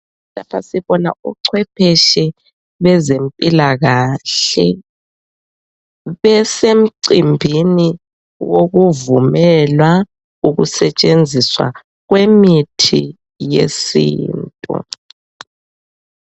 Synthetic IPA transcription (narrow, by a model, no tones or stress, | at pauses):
lapʰasiβɔna̰uǀʰwɛpʰɛʃɛ | βɛzempʼilaɣaɬɛ | βɛsem̩ǀimbʱini | woɣuvumɛlwa | uɣṵsɛt͡ʃʼend͡zʱiswa̰ | ɣwemitʰḭ | jḛsḭːntʼṵ